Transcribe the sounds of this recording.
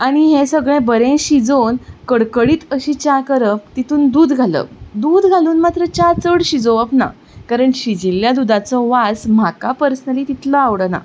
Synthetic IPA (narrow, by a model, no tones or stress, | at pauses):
aɽ̃iɦẽsəɡɭẽbəɾẽɕid͡zonkəɽkəɽiːt̪əɕiːt͡ɕakəɾəpt̪it̪ʰuːnd̪uːd̪ɡʱalə̰d̪uːd̪ɡʱaluːnmat̪ɾət͡ɕat͡səɽɕid͡zoəpna̰ | kaɾəɳɕid͡ʑiljad̪ud̪at͡sɔʋasm̤akapəɾsnəliːt̪it̪ləaʋɽəna̰